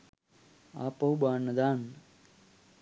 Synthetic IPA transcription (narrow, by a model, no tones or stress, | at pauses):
a̰ːpɐubaːnɐd̪aːn